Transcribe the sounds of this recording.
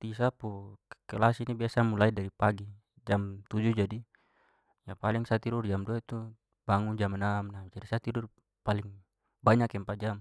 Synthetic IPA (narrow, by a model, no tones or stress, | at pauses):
t̪is̬apukɛlasinibiasamulaidaɾipaɡi | d͡ʒamt̪ud͡ʒud͡ʒadi | japaliŋsat̪iɾurd͡ʒamduait̪u | baŋund͡ʒamanamnad͡ʒadisat̪iɾur | paliŋ | baɲakɛmpad͡ʒam